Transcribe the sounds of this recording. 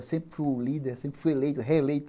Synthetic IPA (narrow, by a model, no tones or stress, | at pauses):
sẽpfulid̪ɛsẽmpɪ̥fuelet̪ɦeelet̪